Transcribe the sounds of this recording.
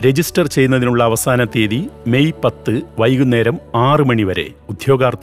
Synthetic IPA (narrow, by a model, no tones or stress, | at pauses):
ɾe̞d͡ʑisʈɐrt͡ɕe̞jːunːɐðinuɭːɐːʋɐsaːnɐt̪ːeːðime̞jpɐt̪ːɨʋɐjɣunːe̞ːɾɐmaːrɨmɐɳiʋɐɾe̞̰ud̪ʱjo̞ːɡaːrt̪ː